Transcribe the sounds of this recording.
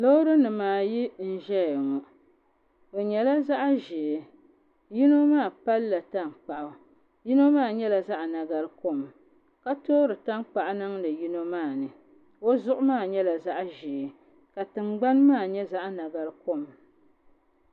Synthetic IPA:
lo˦ɾɨ˦nɨ˨maː˨ji˦n̩˦ʒɛ˦jŋɔ˨ | o˨ɲɛ˨la˦za˦ʔʒeː˨ | ji˦no˦maː˦˨pa˦lːa˨ta˦n˨k͡pa˨ʔʊ˨ | ji˦no˦maː˦˨ɲɛ˦la˨za˦ʔna˨ɡa˦lko˦m˨ | ka˦toː˦ɾɨ˨ta˦nk͡pa˨ʔnɨ˦ŋlɨ˨ji˦no˦maː˦˨nɨ˨ | o˦zʊ˦ʔʊ˦maː˦˨ɲɛ˦la˨za˦ʔʒe˨ | ka˨tɨ˨ŋ͡mɡ͡ba˦nmaː˦˨ɲɛ˦za˦ʔna˨ɡa˨lɨ˦ko˦m

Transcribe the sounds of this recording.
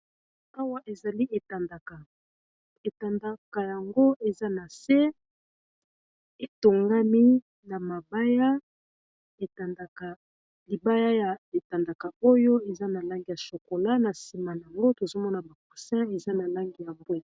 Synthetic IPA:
a˦wa˦ʔe˨za˨li˦ʔe˨ta˨nda˨ka˨ | e˨ta˨nda˦ka˨ja˨ŋɡo˦ʔe˨za˦na˨se˦ | e˨to˨ŋɡa˦mi˦ | na˨ma˨ba˦ja˦ | e˨ta˨nda˨ka˨ | li˨ba˦ja˦ja˨e˨ta˨nda˨ka˨o˦jo˦e˨za˦na˨la˦ŋɡi˨ja˨so˨ko˨la˦na˨si˨ma˨n˨a˨ŋɡo˦to˨zo˦mɔ˦na˨ba˨ku˨sɛ̃˦e˨za˦na˨la˦ŋɡi˨ja˨mbwɛ˦

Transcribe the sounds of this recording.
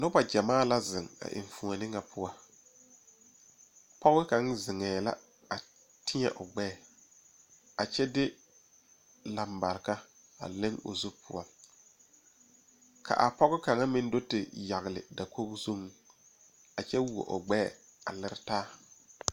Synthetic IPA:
nʊ˦ba˨d͡ʒa˨maː˦˨la˦zɪ˨ŋa̰˨ʔɪ̰˨ɱfu˨ŋa˨nɪ˦ŋa˨pʰʊ˦a˦ | pɔ˦ɣɪ˦ka˨˦ŋzɪ˨ŋɛː˨la̰˦ | a˨ | tɪ˦ɲɛ˨ʔʊ˨ɡ͡bɛː˦˨ | a˨t͡ʃɛ˦dɪ˦ | la˨mba˨ɾɪ˨ka˦ | a̰˨lɪ˦ŋʊ̰˨zu˦pʰʊ̰˦a˨ | kʰa̰˨ʔa˨pɔ˦ɣɪ˦ka˨ŋa˦mɪ˦n˦do˦tɪ˨ja˨ɣɪ˨lɪ̰˨da˨kʰo˦kzu˦ŋ | a˨t͡ʃɛ˦wu˨o̰˨ʔʊ˨ɡ͡bɛː˦˨ | a˨lɪ˦ɾɪ˦taː˦

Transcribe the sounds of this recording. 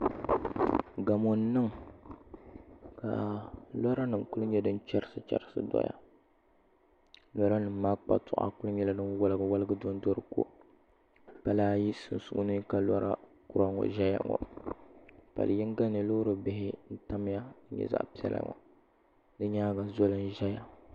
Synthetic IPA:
ɡa˨mo˨n˦nɨ˦ŋ | ka̰˨lɔ˦ɾa˦nɨ˨ku˦ɨ˦ɲɛ˦dɨ˦n˦t͡ʃɛ˦ɾɨ˦˨sɨ˦t͡ʃɛ̰˦ɾɨ˦sɨ̰˦dɔ̰˦ja̰˨ | lɔ˦ɾa˦nɨ˨mː˦a˦k͡pa̰˨tʊ˨ʔa̰˦kʊ˦lɨ˦ɲɛ˦la˦nɨ˦wa˦lɨ˦ɡɨ˦wa˦lɨ˦ɡɨ˦do˦n˦dɔ˦ɾɨ˦ko̰˦ | pa˨laː˦ji˦sɨ˨n˨su˨ʔʊ˦nɨ˦ka˨lɔ˦ɾa̰˦ku˦ɾa˦ŋɔ̰˨ʒɛ˦ja̰˨ŋɔ̰˨ | pa̰˨lɨ˨ji˦n˦ɡa˦nɨ˨lo˦ɾɨ˨bɪ˨hɪ˦n̩˦ta˦m˦ja˦ɲɛ̰˦za̰˦ʔpi˦ɛ˦la̰˦ŋɔ̰˨ | dɨ˦ɲaː˦ɡa˨zɔ˦lɨ˦n˦ʒa˦ja˨

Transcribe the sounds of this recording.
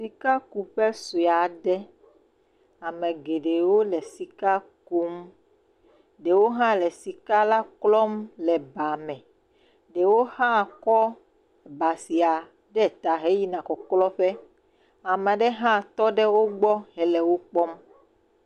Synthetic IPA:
si˨ka˦ku˨ɸɛ˦so˨a˨ɖɛ˦ | a˨mẽ˨ɡe˨ɖe˨wo˦lɛ˨si˨ka˦ku˦m | ɖe˨wo˦ɦã˦lɛ˨si˨ka˦la˦klɔ˦mlɛ˨ba˨mɛ̃˨ | ɖe˨wo˦hã˦˨kɔ˦˨ | ba˨si˨a˨ | ɖɛ˦˨t̪a˨ɦe˦ji˦nã˨kɔ˨klɔ˦ɸɛ˦ | a˨mɛ̃˨ɖɛ˦ɦã˦˨t̪ɔ˦ɖɛ˦wo˦ɡ͡bɔ˦ɦɛ˨lɛ˨wo˦k͡pɔ˦m

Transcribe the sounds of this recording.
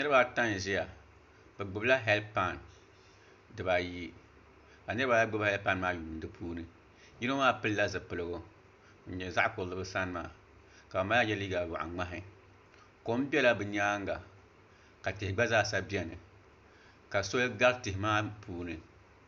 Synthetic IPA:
nɨ˦ɾɨ˦ba˦ta˦n˨ʒɛ˦ja˨ | bɛ˨ɡ͡bʊ˨bla˦ɦɛ˦lpa˦˨n | dɨ˨ba˨ji˦ | ka˨nɨ˦ɾɨ˦ba˦a˦ɡ͡bʊ˦ba˦hɛ˦lpa˦nmaː˦ju˨n˦dɨ˦pʰuː˦nɨ˨ | ji˦no˦maː˦pɨ˦lla˦zɨ˨pɨ˨lɨ˨ɡo˨ | n̩˨ɲɛ˨za˦ʔkʊ˨lɨ˦bɨ˦sa˦n˦ma̰ː˨ | ka˨ba˨ma˦a˦ɲɛ˦liː˦ɡa˨wa̰˨ʔa̰˨ŋ͡ma˦ɦɪ˨ | ko˨˦m˦bi˦ɛ˦la˦bɨ˨ɲ˦aː˦ŋɡa˨ | ka˨tɪ˨hɪ˨ɡ͡ba˦zaː˦˨sa˦bi˦ɛ˦nɨ˨ | ka˨so˦lɡa˦ltɪ˨hɪ˨maː˦pʰuː˦nɨ˨

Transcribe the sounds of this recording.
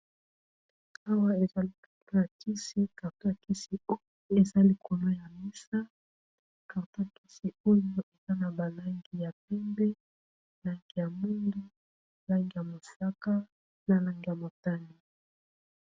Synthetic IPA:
a˦wa˦e˨za˦li˨ka˨to˦a˨ki˦si˦ka˨to˦ja˨ki˦si˨o˦ | e˨za˦li˨ko˨no˦ja˨mi˦sa˦ | ka˨ta˦a˨ki˦si˨o˦jo˦e˨za˦na˨ba˨la˦ŋɡi˨ja˨p̚ɛ˦mbɛ˦ | la˦ŋɡi˨ja˨mu˦ndu˦ | la˦ŋɡi˨ja˨mo˨sa˦ka˦ | na˨la˦ŋɡi˨ja˨mo˨ta˦ni˨

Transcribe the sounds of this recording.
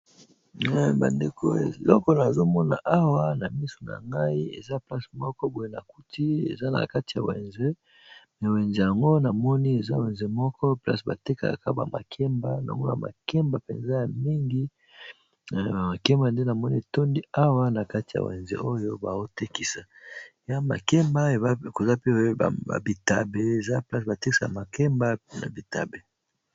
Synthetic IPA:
ɛ˦ba̰˨nde˨kʰo̰˦e˨lɔ˦kɔ˦na˨zo˦mɔ˦na̰˨ʔa˦wa˦na˨mi˦so˨na̰˨ŋɡa˦i˦ḛ˨za˦pla˦si̥˨mɔ˦kɔ˦bo˨je˨na̰˨ku˦ti˦ḛ˨za˦na̰˨ka˦ti˨ja̰˨wḛ˨nze˦ | mɛ˨we˨nze˨ja˨ŋɡo˦na˨mɔ˦ni˦e˨za˦we˨nze˨mɔ˦kɔ˦pla̰˦sba̰˨te˦ka̰˨ka̰˨ka˦ba̰˨ma̰˨kʰɛ˦mba˦na̰˨ŋɡo˦na̰˨ma̰˨kɛ˦mba˨pḛ˨nza˦ja˨mi˦ŋɡi˦˨ | a˨ma˨kɛ˦mba˨nde˦na˨mɔ˦ni˦e˨to˦ndi˦a˦wa˦na˨ka˦ti˨ja̰˨wḛ˨nzḛ˦ʔo˦jo˦ba˨o˦te˦ki˦sa˨ja˦ma̰˨kɛ˦mba˦e˨a˦˨ko˨za˦pe˦o˦b̰a̰˨bi˨ta˨be˨e˨za˦pla˦s̬ba˨te˦i̥˦sa˨a˨ma˨kɛ˦mba˦na̰˨bi˨ta̰˨be˨

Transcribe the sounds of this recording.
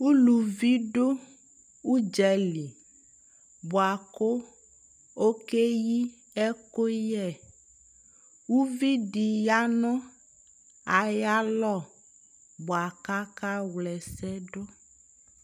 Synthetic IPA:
wu˦lu˨vi˦ɖo˦ | wu˦d͡ʒɛ˨li˨ | bo˨a˨ko˦ | o˦ke˦ji˦ | ɛ˦ko˦jɛ˦˨ | wu˦vi˦ɖi˨ja˦nɔ̃˦ | a˨ja˦lɔ˦˨ | bɔ˨a˨ka˦ka˦wlɛ˨sɛ˦ɖo˦

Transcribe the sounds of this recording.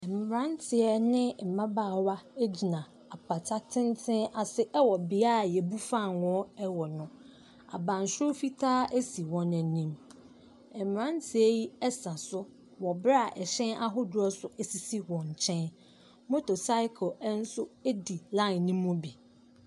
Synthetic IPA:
m˨m˨ɾã˦ntʰɪ˨ɛ˦nɪ̃˦m̩˨mã˦baː˦˨wa˦e˦d͡ʑi˨nã˨ | a˨pʰa˨tʰa˦tʰɪ̃˦n˦tʰɪ̃˦na˨sɪ˦ʔɛ˦wɔ˨bɪ˨a˦a˨jɛ˨bu˦fã˦˨nwɔ̃˦ɛ˦wɔ˨nʊ̃˦ | a̰˨bã˨n˨so˦fi˦tʰaː˦æ˦si˨wɔ̃˨nɛ̃˨nĩ˦m | ɛ˨m˨ɾã˦ntʰɪ˨ɛ˦ji˦ɛ˦sã˨sʊ˦ | wɔ˨bɾa˨ʔɛ˨ɕɛ̃˦na˦ɦʊ˦dʊ˦ɔ˦sʊ˦ʔæ˨si˨si˦wɔ̃˨ɲ˨t͡ɕʰɛ̃˦n | mʊ̃˦to˨sa˦ɪ˦kʰɔ˨ɛ˦n̩˦sʊ˦e˦di˨lã˦˨nĩ˦mːʊ̃˦bi˨

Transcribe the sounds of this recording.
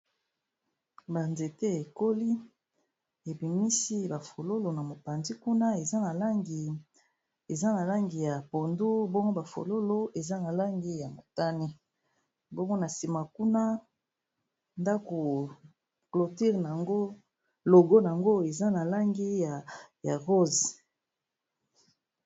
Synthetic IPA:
ba˨nze˨te˦e˨ko˦li˦ | e˨bi˨mi˦si˦ba˨fo˨lo˦lo˨na˨mo˨pa˨nzi˦ku˦na˦e˨za˦na˨la˦ŋɡi˨ | e˨za˦na˨la˦ŋɡi˨ja˨po˨ndu˦bo˦ŋɡo˦ba˨fo̰˨lo˦lo˦e˨za˦na˨la˦ŋɡi˦ja˨mo˨ta˦ni˦ | bo˦ŋɡo˦na˨si˨ma˨ku˦na˦ | nda˦ko˨ | klo˨ti˦ʁn˨a˨ŋɡo˦ | lo˨ɡo˦n˨a˨ŋɡo˦e˨za˦na˨la˦ŋɡi˦ja˨ja˨ʁo˦z

